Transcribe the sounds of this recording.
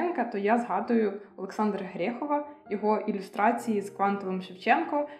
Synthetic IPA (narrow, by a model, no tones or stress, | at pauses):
nkɐt̪ɔjazɦɑd̪ʊjʊɔlˠeksɑnd̪ɾɐɦɾʲɛxɔʋɐjɔɦɔʔilʲʊst̪ɾɑt͡sʲijizkʋɑnt̪ɔlˠemʃɪwt͡ʃɛnkɔ